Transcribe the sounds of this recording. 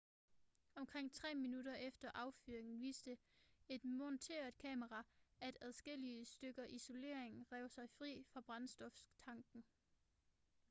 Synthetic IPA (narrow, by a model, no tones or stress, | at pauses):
ɒ̽mkʰʁeŋ̰t͡sʰʁɛ̰ːminud̥ɐʔefd̥ɐʔɑ̈ʊfyːɐeŋn̩ʋḭːsd̥əe̝d̥mɔnt͡sʰe̝̰ːɐð̥ˠkʰɛːməʁɑ̈æd̥æðˠsɡ̥el̰iəsd̥øɡ̥ɐʔiso̝le̝̰ɐ̰e̝ŋʁɛʊsɑ̈ɪfʁḭːfʁɑ̈b̥ʁɑ̈nsd̥ɒ̽fst͡sʰɑ̈ŋɡ̥n̩